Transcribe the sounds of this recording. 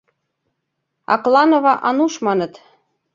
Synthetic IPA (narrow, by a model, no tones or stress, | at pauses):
ɑ̰klˠɑnovɑʔɑnuʃmɑnɤ̆t̪